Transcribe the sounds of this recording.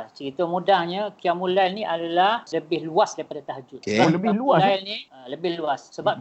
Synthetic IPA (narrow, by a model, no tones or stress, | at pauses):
t͡ʃəɾit̪omudahɲəkiamulajlniʔadalahləbɪhluasdaipadat̪aɦəd͡ʒʊt̪ləbɪluaalniələbɪhluassəbap̚